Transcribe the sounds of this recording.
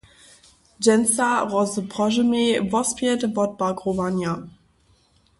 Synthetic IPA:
d͡ʒɛnsaʁɔzəpʁɔʒəmevɔspitəbɔt̚b̥akʁovanja

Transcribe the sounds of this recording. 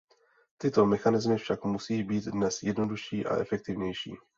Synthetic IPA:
t̪ɪt̪o̞mɛxanɪzmɪfʃakmusiːbiːd̪dnɛsjɛdno̞duʃiːʔa̰ʔɛ̰fɛk̚t̪ɪvɲɛjʃḭː

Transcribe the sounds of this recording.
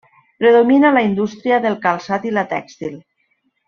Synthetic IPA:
pɾeðominalaind̪ust̪ɾiaðelˠkalˠsat̪ilat̪ɛ̰kst̪il

